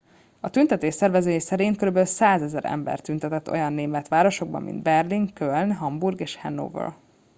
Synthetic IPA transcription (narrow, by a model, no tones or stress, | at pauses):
ɒt̪ynt̪ɛt̪eːʃsɛrvɛzøːjsɛɾiːŋkøɾybɛlsaːzɛzɛɾɛ̰mbɛ̰rt̪ynt̪ɛt̪ɛt̪ːo̞̰jɒnːeːmɛt̪ʋaːɾo̞ʃo̞ɡ̚bɒ̰mːḭnd̪bɛrliŋkølnɦɒmburɡeːʃhɛnːo̰ːvø̰l